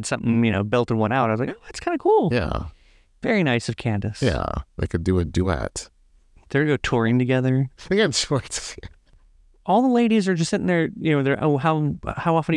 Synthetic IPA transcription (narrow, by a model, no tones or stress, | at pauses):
d̥sʌ̃mθɪ̰̃ŋjɨñoʊbɛlˠtəd̚wʌ̃naʊɾaɪʌzlaɪkoʊðætskʰãɪ̃ndəkʰulˠjæ̰ | vɛɹiñaɪsʌv̥kʰæ̃ndɨsjæ̰ðḛɪkʰɨdɨɨt̚d̥ɨɪ̰t | ðə˞ɡoʊtʰɔɹɪ̃ŋtɨɡɛðə˞ðeɨ̃nsɔɹts | ɔlˠðəleɪɾizə˞d͡ʒʌstsɪɾɪ̃ŋðə˞jɨnoʊðə˞ʔo̰ʊɦaʊ̰haʊɑfə̃n̩